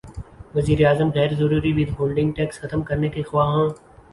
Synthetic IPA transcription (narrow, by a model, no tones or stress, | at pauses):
ʋɐziːɾeaːzəmɣɛːɾzɐɾuːɾiʋɪd̪ʱɦoːlɖɪ̃ŋɡ̚ʈɛːksxɐt̪əmkɐɾnekexʋaːɦãː